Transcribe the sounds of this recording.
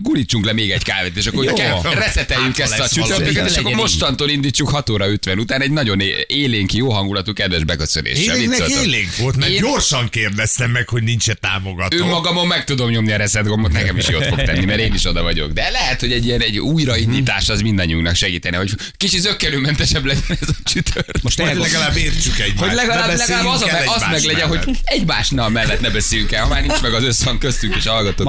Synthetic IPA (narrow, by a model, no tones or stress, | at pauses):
ɡulit͡ʃːuŋklɛmeːɡɛɟkaːveːt̪eːʃɒkːoɾrɛsɛt̪ɛjːykɛsɒt͡ʃuøkɛt̪eːʃɒkːomo̞ʃt̪ɒnt̪oːlind̪iːt͡ʃːukhɒt̪oːɾɒøt̪ʋɛnut̪aːnɛɟnɒɟo̞neːleːŋkjoːɦɒŋɡulɒt̪ukɛd̪ʋɛʒbɛkøsønʔḛːʃɛeitnøleːŋkʋolt̪mɛːɟorʃɒŋkeːrd̪ɛst̪ɛmːɛkho̞ɟnint͡ʃɛt̪a̰ːmoɡɒt̪ømːɒɡɒmomːɛkt̪ud̪o̞mɲo̞mniɒɾɛsɛd̪ɡombot̪nɛkɛmiʃoːtfo̞kt̪ɛnːimɛɾeːniʃo̞d̪ɒvɒɟo̞̰ɡd̪ɛlɛɦɛt̪ho̞ɟɛɟijɛnɛɟuːjɾɒind̪iːt̪aːʃɛzmind̪ɒɲːiuknɒkʃɛɡiːt̪ɛnɛɦo̞c | kit͡ʃit̪zøkːɛnyːmɛnt̪ɛʃɛblɛɟɛnɛzɒt͡ʃyt̪ʰørʃlɛɡɒlaːbːeːrt͡ʃykɛɟmaolɛɡɒlaːblɛɡlːaːbɒzɒmɛɒzmɛɡlɛɟɛnɦo̞ɛɟmaːʃnɒlmɛlːɛt̪nɛbɛseːjyŋkɛhɒmaːrnint͡ʃmɛɡɒzøshɒŋkøst̪yŋkeːʃhɒlɡɒt̪oː